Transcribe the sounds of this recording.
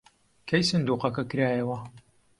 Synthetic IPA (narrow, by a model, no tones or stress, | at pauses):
kʰɐjsɨnd̪uːqɐkɐkɨɾaːjɐwɐ